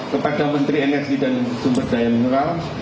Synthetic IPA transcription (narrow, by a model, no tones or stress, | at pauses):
kəpadamənt̪ɾiɛnɛrɡidansumbərd̥ajaminuɾal